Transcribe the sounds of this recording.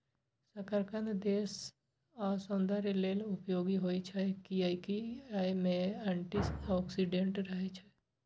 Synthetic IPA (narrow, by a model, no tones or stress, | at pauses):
səkaɾkə̃nd̪eːs | asõːnd̪ʱaɾelelʊpjoːɡiɦoːit͡ʃʰɛkiaikiajmẽɛ̃ɳʈisɔːksiɖẽɳʈɾəɦet͡ʃʰe